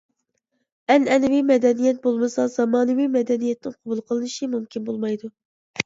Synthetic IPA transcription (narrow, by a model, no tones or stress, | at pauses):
ɛnɛnɪvimɛd̪ɛnijɛt̪̚bolˠmɨsɑz̥ɑmɑːnɨvijmɛd̪ɛnijɛt̪nɪŋqʰɑbulˠqʰəlˠɨnɨʃimumkʲʰinbolˠmɑjd̪u